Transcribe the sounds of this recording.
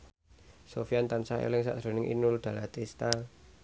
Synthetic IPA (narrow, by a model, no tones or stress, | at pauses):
sofiant̪ansaḛlɪŋsa̰ʔd̥ɾo̤nɪŋʔḭnʊld̪̥a̤lat̪ist̪a